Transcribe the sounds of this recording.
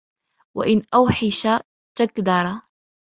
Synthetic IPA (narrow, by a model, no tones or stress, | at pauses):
wɪ̰ʔɪnʔawħɪʃa | t̪akd̪ɑɾˤɑ